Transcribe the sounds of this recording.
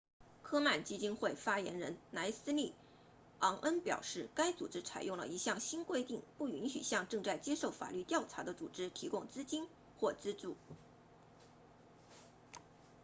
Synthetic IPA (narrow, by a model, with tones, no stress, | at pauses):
kʰɤ˥ma˥˩nt͡ɕi˥t͡ɕi˥nxwe˥˩ɪfa˥jɛ̰˧˥nɻə˧˥nna˧˥ɪsɹ̩˥li˥˩ | ɑ˧˥ŋʔə˥npjɑ̰˨˩ʊʂɻ̩˥˩ka˥ɪt͡sṵ˨˩ʈ͡ʂɻ̩˥t͡sʰa˨˩ɪjʊ˥˩ŋlə̰˩i˧˥ɕjɑ˥˩ŋɕi˥nkwe˥ɪt̪i˥˧ŋpu˥˩y˧˥nɕy̰˨˩ɕjɑ˥˧ŋʈ͡ʂɤ˥˧ŋt͡sa˥˩ɪt͡ɕjɛ˥ʂo˥˩ʊfa̰˨˩ly˥˧t̪jɑ˥˩ʊʈ͡ʂʰa˧˥d̪ə˧t͡sṵ˨˩ʈ͡ʂɻ̩˥t̪ʰi˧˥kʊ˥˧ŋt͡sɹ̩˥t͡ɕi˥n | xwɔ˥˩t͡sɹ̩˥ʈ͡ʂu˥˩